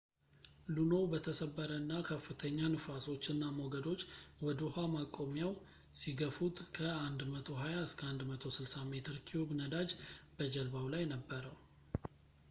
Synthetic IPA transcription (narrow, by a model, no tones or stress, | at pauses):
luno̞bət̪ʰəsəbːəɾənːakʰəfːɨt̪ʰəɲːanɨfaso̞t͡ʃːɨnːamoɡəd̪o̞t͡ʃːwɔd̪ohamakʼo̞mjaw | siɡəfut̪kʰəand̪mət̪ʰo̞ɦajaɨskʰəand̪mət̪ʰo̞sɨlsame̞t̪ʰɨɾkʰiubnəd̪ad͡ʒbəd͡ʒəlbawlajnəbːəɾəw